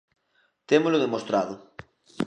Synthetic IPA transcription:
t̪emʊzlʊðemost̪ɾaðʊ

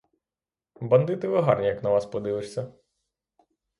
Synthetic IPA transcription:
bɐnd̪ɪt̪ɪʋɪɦɑrnʲijɐknɐʋɑspɔd̪ɪʋɪʂsʲːɐ

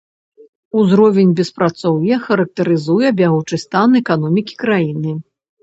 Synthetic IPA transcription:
uzɾɔvʲɛnʲbʲɛspɾat̪sɔwjɛxɐɾɐk̚t̪ɐɾɨzujɛbʲaɣut͡ʂɨst̪anɛkanɔmʲikʲi̥kɾajinɨ

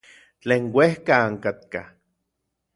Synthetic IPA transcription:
t͡ɬeːŋwehkaːŋkat̪̚ka̰

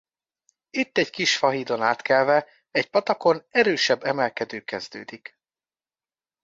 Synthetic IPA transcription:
it̪ːɛɟkiʃfɒɦiːd̪o̞naːt̪kɛlvɛ | ɛcpɒt̪ɒko̞nɛɾøːʃɛbːɛmɛlkɛd̪øːkɛzd̪ø̰ːd̪ik

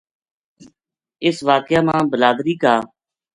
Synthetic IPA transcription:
ɪsʋaːkɪjaːmãːbəlaːd̪ɾiːkaː

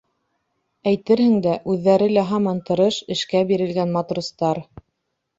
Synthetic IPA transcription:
æjt̪ɘɾhɘ̆ŋd̪æʔʉðːæɾɘlæɦɑmɑnt̪ɤ̆ɾɤʃɘ̆ʃkæbiɾɘ̆lɡænmɑt̪rust̪ɑɾ

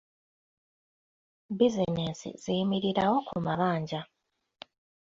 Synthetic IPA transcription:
bizineːsḭzijimiɾiɾawo̞kʰumaβaːɲɟa

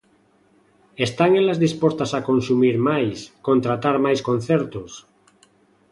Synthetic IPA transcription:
est̪aŋelazðispost̪asakõnsumiɾmajskont̪ɾat̪aɾmajskon̟θeɾt̪os

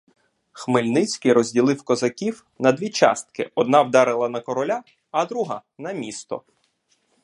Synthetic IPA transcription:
xmɪlʲnɪt͡sʲkɪjɾɔzʲdʲilˠɪwkɔzɐkʲiw | nɐd̪ʋʲit͡ʃɑ̰st̪̚kɪ̰ɔd̪nɑwd̪ɑɾɪlˠɐnɐkɔɾɔlʲa | ɐd̪ɾuɦɑ̰nɐmʲist̪ɔ̰

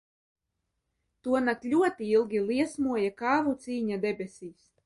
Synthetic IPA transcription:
t̪uɔnaklʲuɔt̪iilˠɡʲilˠiɛsmuɔjakaːvut̪siːɲad̪ɛbʲesʲiːs

